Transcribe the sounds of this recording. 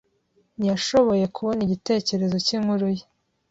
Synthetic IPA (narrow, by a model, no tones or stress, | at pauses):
njaʃo̞βo̞je̞kʰuβo̞niɟite̞ːce̞ɾe̞zo̞cimuɾuji